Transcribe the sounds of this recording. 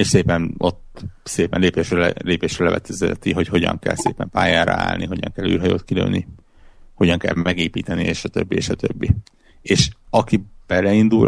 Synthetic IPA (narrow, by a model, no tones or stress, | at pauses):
eːʃseːpɛno̞t̪seːpɛnleːpeːʃrøleːpeːʃɾølɛvɛ̰t̪ʰɛzɛt̪iɦo̞cho̞ɟɒ̰ŋkɛ̰lseːpɛmpaːjaːɾɒ̰a̰ːlniɦo̞ɟɒ̰ŋkɛlːy̰ːrɦɒjoːt̪kilø̰ːnːi | ho̞ɟɒŋkɛ̰lmɛɡeːpiːt̪ɛnieːʃɒt̪øbːieːʃɒt̪øbːi | eːʃɒkib̥ɛlɛind̪ul